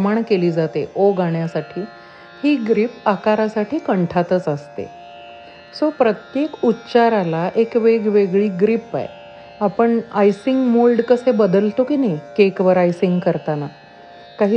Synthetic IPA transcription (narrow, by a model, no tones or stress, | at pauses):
maɳkeliːd͡zat̪eʔoɡaɳjasaʈʰiː | hiːɡɾipakaɾasaʈʰiːkəɳʈʰat̪ət͡səst̪ḛ | sopɾət̪jekutːt͡ɕaɾalaʔekʋeɡʋeɡɭiːɡɾipa̰j | apəɳajsiŋɡmolɖkəsebəd̪əlt̪okinajkekʋəɾajsiŋɡkəɾt̪ana | kaɦiː